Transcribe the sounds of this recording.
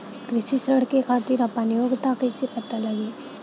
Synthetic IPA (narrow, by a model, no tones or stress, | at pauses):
kɾɪsisəɽkekʰaːt̪iɾɐpənɪjoːɡt̪akesepɐt̪alɐɡeː